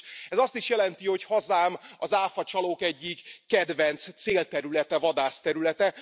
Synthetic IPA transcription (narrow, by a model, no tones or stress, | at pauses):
ɛzɒst̪iʃjɛlɛnt̪iho̞chɒzaːmɒzaːfɒt͡ʃɒloːkɛɟːikːɛd̪vɛnt̪st̪seːlt̪ɛɾylɛt̪ɛvɒd̪aːst̪ɛɾylɛt̪ɛ